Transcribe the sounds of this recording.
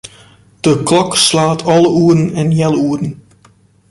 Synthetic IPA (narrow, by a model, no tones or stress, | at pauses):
d̥əklɔkslaːtʰɔlˠəuːɾənɛnjɛlˠuərən̩